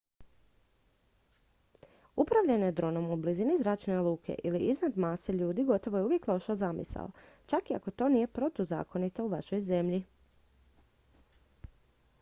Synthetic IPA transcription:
upɾaʋʎenojed̪ɾo̞ːno̞mublizinizɾat͡ʃnelˠuːkʰe̞̰ʔiliʔiznad̪maːseʎuːd̪iɡo̞t̪o̞ʋo̞jeuʋje̞kloʃozamḭsa̰lo̰t͡ʃakia̰ko̞t̪o̞ːniːje̞pɾo̞t̪uza̰ːko̞nit̪o̞uʋaʃo̞jze̞mʎi

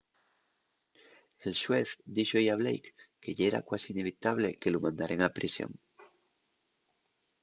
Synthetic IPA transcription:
e̞lʃweθd̪iʃojaβlḛjkːe̞ʎeɾa̰kwasiːne̞β̞it̪aβle̞ke̞lomãnd̪aɾeŋapɾisjo̰ŋ

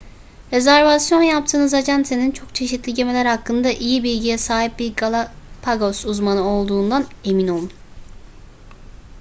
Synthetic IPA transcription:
ɾe̞zæɾvasjo̞njap̚t̪ʰɯːnɯzad͡ʒænt̪ʰenint͡ʃʰo̞kt͡ʃʰe̞ʃit̪ʰlʲiɟe̞me̞lʲæɾhakːɯnd̪aʔijibilʲɟijɛsaːɦip̚biɾɡalˠapʰaɡosuzmanɯo̞lˠd̪uːnd̪ane̞mino̞lˠun

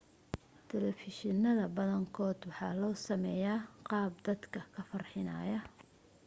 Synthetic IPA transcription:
t̪ʰɛlɛfɪʃɪnːɐðɐbɐðɐŋkʰɔːd̪wɑħɑːlɔːsɐmɛjaːqɑːb̚d̪ɐd̪kʰɐkʰɐfɐrħɪnɐ̰ːjɐ

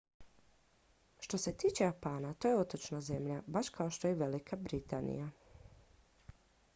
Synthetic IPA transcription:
ʃt̪o̞se̞t̪iːt͡ʃejapaːnat̪o̞jeo̞t̪o̞t͡ʃnaze̞mʎabaʃkʰao̞ʃt̪ojeʋe̞likʰabɾit̪anḭja

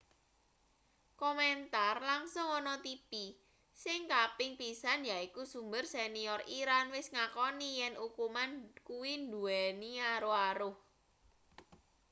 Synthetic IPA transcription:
kɔmɛnt̪arlaŋsʊŋɔnɔt̪ipi | sɪŋkapɪŋpisanjaikusumbərseniɔriɾanwɪsŋakɔnijɛnʔukumankuwind̪uɛniaɾoaɾʊh

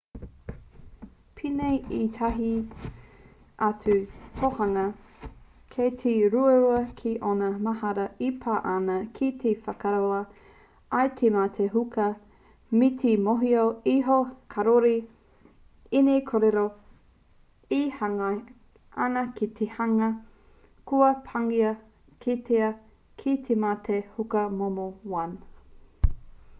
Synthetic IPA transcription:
pʰinejit̪ʰɐɦi | ʔatʉkʰohɐŋɐ | kʰetʰiɾuɐɾuɐkʰiʔonɐmɐhɐɾɐipʰaʔanɐkʰit̪ʰefɐkaɾoɐ | atʰemat̪ʰeɦukɐ | mitʰimoɦioiɦokʰɐɾoɾi | inekʰoɾeɾo | ihaŋɐ | anɐkit̪ʰehaŋɐ | kuɐpʰaŋiɐ | kʰitʰeɐ | kʰit̪ʰematʰehukɐmomowɐn

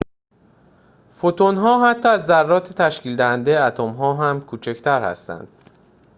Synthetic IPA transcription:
fot̪ʰonɦɒːɦæt̪ʰːɒːæzːærːɒːt̪ʰet̪ʰæʃciːld̪æhænd̪eæt̪ʰomɦɒːɦæmkʰuːt͡ʃʰect̪ʰæɾhæ̰st̪æ̰nd̪̥

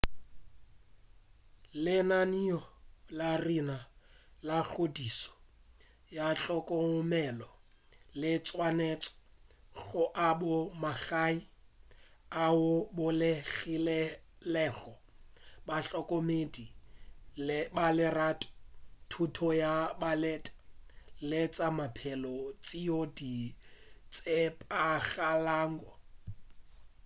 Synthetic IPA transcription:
lɪnaniɔlarinalaɬodisɔ̥ | jaɬʼɔkʼɔʊmɛlɔ | lɪt͡sʼwanɛt͡sʼɔ̥ɣʊʔabʊmaɣai | aʊbʊlɪɣilɛlɛɣɔ | baɬɔkʼɔmedilbalɪraːtʼɔ̥tʰutʰɔjabalɛtʼɛ̥let͡sʼamapʰɛlɔt͡sʼiodi | t͡sʼepʼaɣalaːŋɡɔ

